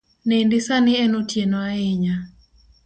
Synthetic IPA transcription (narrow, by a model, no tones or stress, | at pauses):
nendɪsanɪɛnotjenɔaeɲa